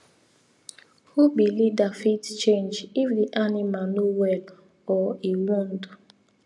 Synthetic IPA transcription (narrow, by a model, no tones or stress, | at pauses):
hubilidafitt͡ʃẽnd͡ʒifdiʔanimanuwɛl | ɔiwɔn̩du